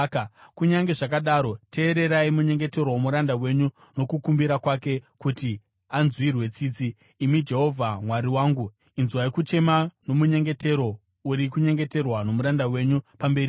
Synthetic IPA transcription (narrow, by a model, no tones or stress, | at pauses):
kuɲaŋɡe̞ʐak̬aɗaɾo̞te̞ːɾe̞ɾaimuɲe̞ŋɡe̞te̞ɾoomuɾandawe̞ɲu | no̞kukumbiɾakwake̞kuti | anzwirwe̞t͡siːt͡siː | mid͡ʒe̞ɦo̞vʱamwaɾiwaːŋɡu | inzuwaikut͡ʃe̞mano̞muɲe̞ŋɡe̞te̞ɾo̞ | uɾikuɲe̞ŋɡe̞te̞rwano̞muɾandawe̞ɲupambe̞ɾi